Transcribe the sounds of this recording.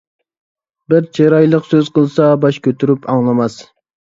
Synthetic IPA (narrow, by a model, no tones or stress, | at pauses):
bɪɾt͡ʃʰeɾɑjlˠəqsøz̥qəlˠsɑbɑʃkʲøt̪ʰyɾypʰɑŋlˠɑmɑs